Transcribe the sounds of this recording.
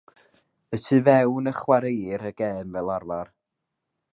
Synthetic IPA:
ətʰɨvɛwnəχwaɾejɾəɡ̥ɛːnvɛlˠarvar

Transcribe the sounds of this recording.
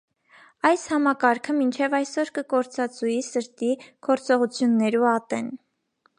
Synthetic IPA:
ɑjshɑmɑkɑɾkʰəmint͡ʃʰɛvɑjsɔɾkəkɔɾt͡sɑt͡sujisəɾt̪iɡ̥ɔɾt͡sɔʁut͡sʰjunːɛɾuɑt̪ɛn

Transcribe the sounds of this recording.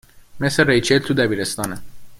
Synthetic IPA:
mesɾeɾejt͡ʃʰelt̪ʰud̪æbiːɾest̪ɒːne

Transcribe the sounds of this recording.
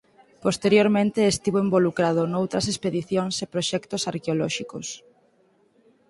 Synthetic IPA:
post̪eɾjoɾmẽnt̪eːst̪iβoembolukɾað̞onowt̪ɾɐs̬espeðiθjoŋsepɾoʃɛkt̪osaɾkeolɔʃikos

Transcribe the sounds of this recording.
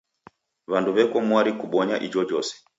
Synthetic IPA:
βanduβɛkɔmwaɾikuɓɔɲaʔid͡ʒɔd͡ʒɔsɛ̥

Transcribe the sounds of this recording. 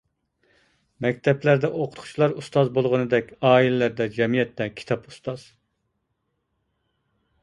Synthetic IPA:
mɛk̚ʲt̪ʰɛplæɾd̪ɛʔoqʰʊt̪qʰʊ̥t͡ʃʰlˠɑɾust̪ɑzbolˠʁənɨd̪ɛkʲɑːilɛlæɾd̪ɛd͡ʒɛmijɛt̪ːɛkʲʰi̥t̪ʰɑpu̥st̪ɑz̥

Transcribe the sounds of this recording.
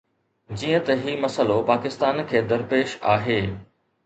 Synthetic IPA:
d͡ʑiːə̃t̪ɐɦimɐsəlopaːkɪst̪aːnkʰeːd̪ɐɾpeːʃaːɦeː

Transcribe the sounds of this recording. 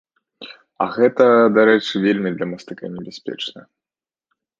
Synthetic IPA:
ɐ̰ɣɛt̪ɐd̪aɾɛt͡ʂɨvʲelʲmʲid̪lʲɐmɐst̪ɨkanʲɛbʲɛsʲpʲɛ̰t͡ʂnɐ

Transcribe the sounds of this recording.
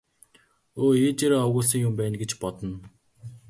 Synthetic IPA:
oːeːt͡ɕeɾoːɔɣʊːɮsə̆ŋjʊmpæːnɡet͡ɕpɔt̪ɞ̆n

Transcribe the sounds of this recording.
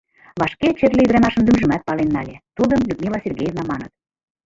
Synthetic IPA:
βɑʃket͡ɕerlʲeyd̪ɾɑmɑʃə̆md̪ymʒə̆mæt̪̚pɑlenːɑlʲet̪ud̪əmlʲyt̪mʲelɑsʲerɡʲejevnɑmɑnə̆t̪̚

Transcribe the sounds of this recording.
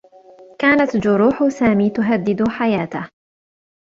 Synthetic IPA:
kaːnat̪d͡ʒʊɾuːħʊsaːmiːt̪ʊɦad̪ːɪd̪ħajaːt̪ah

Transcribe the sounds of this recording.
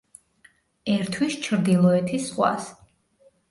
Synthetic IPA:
ɛɾt̪ʰwist͡ʃʰɾd̪ilˠɔɛt̪ʰisχwa̰s

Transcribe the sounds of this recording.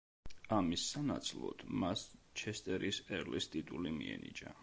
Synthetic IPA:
amisːanat̪sʰlˠɔ̰d̪̥mast͡ʃʰɛst̪ʼɛɾisɛɾlist̪ʼit̪ʼulimiɛnit͡ʃʼa

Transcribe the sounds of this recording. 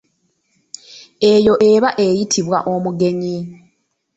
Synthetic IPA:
e̞jo̞ʔe̞βaʔe̞jitʰiβwa̰ʔo̞muɡe̞ɲi

